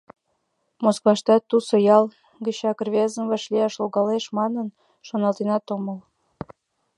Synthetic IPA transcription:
moskvɑʃt̪ɑt̪ːusojɑl | ɡə̆ɕɑkrβʲezə̆mvɑʃliɑʃloɣɑleʃmɑnən | ʃonɑlt̪enɑt̪oməl

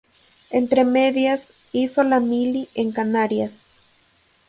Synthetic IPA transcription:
ent̪ɾemeðjas | isolamilieŋkanaɾjas

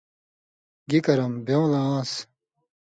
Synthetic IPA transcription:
ɡikɐɾɐmbjew̃laaːs

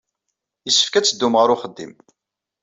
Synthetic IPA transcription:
jəsːə̥fkæt͡sːəd̪ːumʁəɾʊχəd̪ːḭm

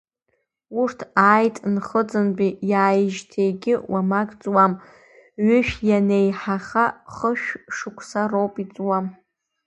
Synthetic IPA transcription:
urtʰaːjtʼnχəd͡zɨnbijaːjʒtʰejɡʲɪwamaɡʼt͡sʼwam | ɥʏʃᶣjanejħaχaχəʃᶣʂɨkʷʰsarowpʼit͡sʼwam

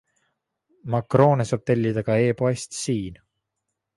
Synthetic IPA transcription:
mɑkro̞ːnesoːb̥̚t̪elʲːid̪̥ɑɡ̥ɑe̞ːpoest̪siːn

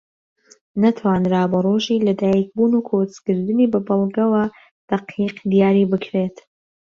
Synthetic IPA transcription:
nat̪ʰwaːnɾabɐroːʒiːlɐd̪aːjik̚buːnukʰot͡skɨɾd̪ɨniːbɐbɨlˠɡɐwa | d̪̥ɐqiːqd̪ijaːɾiːbɨkʰɾet̪

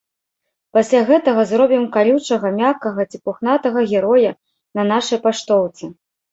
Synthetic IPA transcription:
pasʲlʲaɣɛt̪ɐɣɐzrɔbʲimkalʲut͡ʂɐɣɐmʲakɐɣɐt͡sʲipuxnat̪ɐɣɐɣʲɛɾɔjɐ | nɐn̪aʂɐjpaʂt̪ɔwt̪sɨ

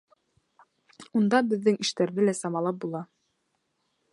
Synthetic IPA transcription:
und̪ɑbɘ̆ðːɘŋiʃt̪æɾðɘlæsɑmɑlˠɑp̚bulˠɑ

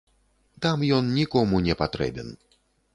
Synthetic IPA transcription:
t̪amjɔnnʲikɔmunʲɛpat̪ɾɛ̰bʲɛn

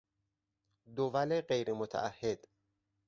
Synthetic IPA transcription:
d̪ovæleɢejɾemot̪ʰæ̰ʔæhːed̪̥

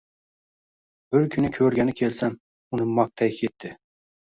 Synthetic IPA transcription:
b̥ɪɾkʲʰʊnɪkʲʰɵɾɡʲanɪkʲʰe̞lsam | ʊnɪmɒk̚t̪ʰajkʲʰet̪ʰːɪ

